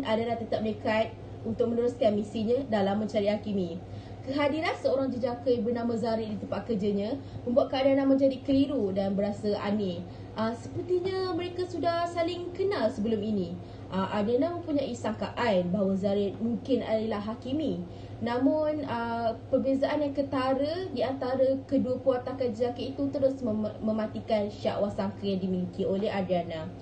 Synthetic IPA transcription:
nʔadalaht̪ət̪ap̚lekat̪̚ | unt̪ʊk̚mənuɾʊskanmisiɲãdalamə̃nt͡ʃaɾiʔhakimi | kəɦadiɾansəoɾaŋd͡ʒəd͡ʒakəjbərnãmazaɾɪʔdit̪əmpaʔ̚kərd͡ʒəɲãmə̃mbuaʔ̪̚kaadanːaməɲd͡ʒadikəliɾudanbəɾasəʔa̰ne | ʔəsəpərt̪iɲəmə̃ɾekasudahsalɪŋkənalsəbəlʊminĩ | ʔəʔadanamə̃mpuɲaʔisaŋkaʔanbaɦawəzaɾɪt̪̚muŋkɪna̰dəlahɦakimi | nãmʊnəpərbezaʔanjaŋkət̪aɾədiant̪aɾəkəduəpuat̪akad͡ʒəzakəit̪ut̪əɾʊsmə̃mãt̪ikanʃa̰ʔwasaŋkəjaŋdimiŋkioleɦadianã

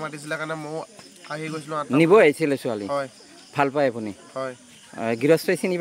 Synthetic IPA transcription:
matis̬ilɛkanɛmoj | aɦiɡojsilʊ̃anibɔajsilɛsualḭɔj | bʰʱalpajapunihɔj | ɡiɹɔstajsinib

